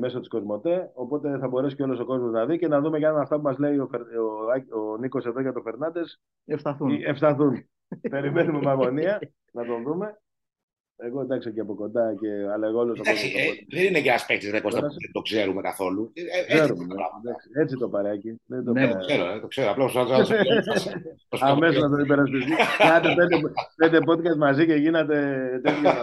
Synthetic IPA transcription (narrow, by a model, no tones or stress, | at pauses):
me̞sot̪i̥sko̞zmo̞t̪e̞o̞po̞t̪e̞θɐbo̞ɾe̞sico̞lo̞so̞ko̞zmo̞znɐðice̞nɐðume̞ʝnnɐft̪ɐp̬umɐzle̞iofeɾoɐoniko̞se̞ðo̞ʝɐt̪ofe̞ɾnɐd̪e̞s | eft̪ɐθuefst̪ɐθun | pe̞ɾime̞numemɐɣo̞niɐ | nɐt̪o̞ðume̞ | eɣo̞nd̪ɐksiociɐpo̞ko̞nd̪ɐce̞ɐleɣolosɐd̪aɐsiðenineceɐspek̚t̪izðekosɐsðend̪okseɾumekɐθo̞lukseɾumɐ̰ɐd̪ɐkksie̞t͡sit̪o̞pɐɾɐciðed̪oseɾoet̪okseɾoɐplɐposansas | osɐme̞sonɐt̪oipeɾɐs̬pist̪iinɐt̪epend̪epend̪epo̞t̪̚kɐst̪mɐziceʝinet̪̬e̞t̪et̪j